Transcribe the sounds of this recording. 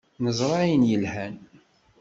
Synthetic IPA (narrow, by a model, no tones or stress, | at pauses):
nəzˤɾˤɑjənjəlhæn